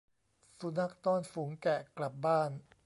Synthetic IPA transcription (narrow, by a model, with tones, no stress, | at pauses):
su˨˧˦na˦˥k̚t̪ɔː˥˩nfu˩˦ŋkɛ˨˩kla˨˩p̚baː˥˩n